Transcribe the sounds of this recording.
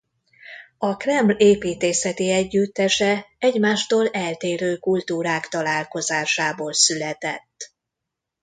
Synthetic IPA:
ɒkrɛmbleːpiːt̪eːsɛt̪iɛɟːyt̪ːɛʃɛɛɟmaːʃt̪oːlɛlt̪eːɾøːkult̪uːɾaːkt̪ɒlaːlko̞zaːʃaːboːlsylɛt̪ɛt̪ː

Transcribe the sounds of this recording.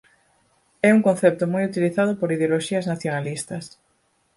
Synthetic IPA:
ɛuŋkõnθɛp̚t̪ʊmojut̪iliθaðʊpoɾiðeoloʃiɐznaθjonalist̪ɐs

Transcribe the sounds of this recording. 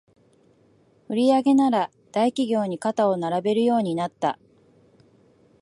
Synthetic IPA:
ɯ̟ɾʲiaɡe̞naɾa | d̪̥aikʲiɡʲo̞ːɲ̟ikat̪ao̞naɾabe̞ɾɯ̟jo̞ːɲ̟inat̪ːa̰

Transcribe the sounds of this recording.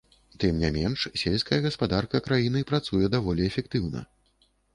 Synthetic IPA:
t̪ɨmnʲamʲɛnʂsʲelʲsʲkɐjɐɣɐspad̪arkɐkɾajinɨpɾat̪sujɛd̪avɔlʲiɛfʲɛkt̪ɨwnɐ̰

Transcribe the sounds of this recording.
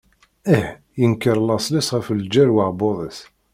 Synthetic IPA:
əh | jənkːəɾˤlːɑsˤlæsʁəfəld͡ʒæɾwaʁboðˤəs

